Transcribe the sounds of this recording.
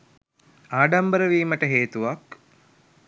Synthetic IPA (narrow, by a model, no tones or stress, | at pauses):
aːɖambəɾəʋiːməʈəɦeːt̪uʋak